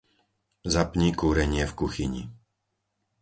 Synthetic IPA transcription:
zapɲikuːɾɛɲɪɛfkuxiɲḭ

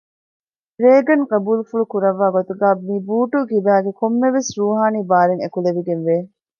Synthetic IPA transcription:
ɾeːɡɐŋqɐbuːlfuɭukuɾɐʋːaːɡot̪uɡæːmibuːʈukibæːɡekomːeʋesɾuːɦaːniːbaːɾeŋekuleʋiɡenʋeː

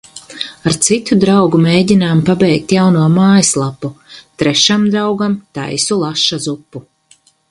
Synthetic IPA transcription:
aɾt̪sit̪ud̪ɾawɡumeːɟʲinaːmpabɛjk̚t̪jawnuɔmaːjslˠapːut̪ɾɛʃamd̪ɾawɡamt̪a̰jsulˠaʃːazupːu

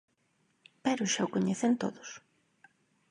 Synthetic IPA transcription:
pɛɾʊʃaʊkoɲeθent̪o̰ðʊs

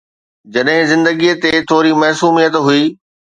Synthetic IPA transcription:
d͡ʑɐɗɦɪ̃zɪ̃nd̪əɡiət̪et̪ʰoːɾimɐɦsuːmijət̪ɦʊiː

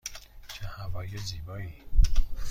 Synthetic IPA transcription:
t͡ʃʰehævɒːjeziːbɒːi

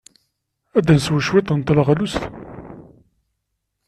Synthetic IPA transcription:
æd̪ænswəʃwet̪ˤənt̪lʁælust̪

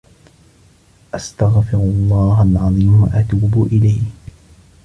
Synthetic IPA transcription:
ʔast̪aɣfɪɾʊɑlˤːɑːɦalʕɑðˤiːmwa̰ʔat̪uːbʔɪlajh

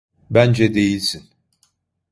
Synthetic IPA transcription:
bænd͡ʒɛd̪e̞jilʲsin

